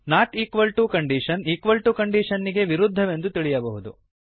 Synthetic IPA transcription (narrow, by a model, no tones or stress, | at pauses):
naːʈiːkʋɐlʈukɐɳɖiʃɐniːkʋɐlʈukɐɳɖiʂɐnːiɡe̞ʋiɾud̪ʱːɐʋe̞nd̪ut̪iɭijɐbɐɦud̪ṵ